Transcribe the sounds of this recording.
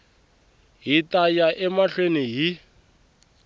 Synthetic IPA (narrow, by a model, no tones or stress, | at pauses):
ɦitʼajaʔɛmaɬweniɦi